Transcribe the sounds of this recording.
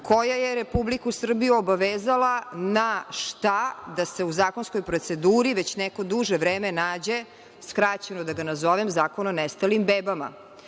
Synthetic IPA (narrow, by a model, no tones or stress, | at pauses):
kʰo̞jajeɾepublikusr̩bijuobaʋeːzalanaʃt̪ad̪ase̞uzaːko̞nskojpɾo̞t̪se̞d̪uːɾiʋet͡ɕnɛko̞d̪uʒeʋɾeːmenaːd͡ʑe̞ | skɾat͡ɕenod̪aɡanazo̞ʋemzaːko̞nonest̪alimbeːbama̰